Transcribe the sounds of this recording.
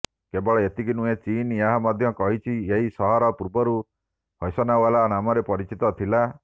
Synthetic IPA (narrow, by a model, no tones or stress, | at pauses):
kebɔɭɔet̪iɡinũet͡ʃinjaɦamɔd̪ʱjɔkɔɦit͡ʃʰieɦisɔɦɔɾɔpuɾbɔɾu | hɔjsɔnawalanamɔɾepɔɾit͡ʃit̪ɔt̪ʰila